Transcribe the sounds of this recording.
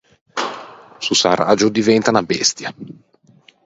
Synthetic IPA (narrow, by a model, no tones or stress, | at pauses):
susara̰ːd͡ʒʊd̪ivɛnt̪anabɛst̪ja